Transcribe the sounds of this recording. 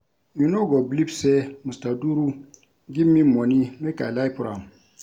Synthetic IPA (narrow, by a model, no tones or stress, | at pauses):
mĩnoɡɔblibsɛmustaduɾu | ɡimĩmɔnimɛka̰ilaipuɾa̰m